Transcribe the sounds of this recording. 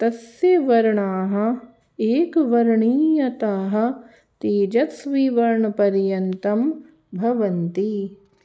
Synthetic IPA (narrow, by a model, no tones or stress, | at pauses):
t̪ɐsjɐʋɐɾɐɳaːɦɐ̆ | eːkʋɐɾɳiːjɐt̪aːɦɐ̆ | t̪eːd͡ʒɐt̪sʋiːʋɐɾɳɐpɐɾjɐnt̪ɐm | bʱɐʋɐnt̪i